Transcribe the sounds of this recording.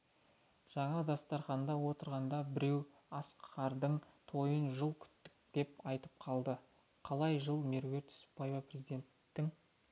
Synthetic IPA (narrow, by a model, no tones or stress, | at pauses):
ʒ̥ɑɴɑd̪ɑst̪ɑɾχɑnd̪ɑwo̞t̪əɾʁɑnd̪ɑbɪɾe̞w | ɑsqχɑɾd̪əɴt̪ʰo̞jənʒəlˠkʲʰʏ̥t̪ːɪk̚d̪̥e̞pɑjt̪əp̚qʰɑlˠd̪ə | qʰɑlˠɑjʒəlˠme̞ɾwe̞ɾt̪ʊ̥spːɑjvɑprʲezid̪e̞nt̪ːɪŋ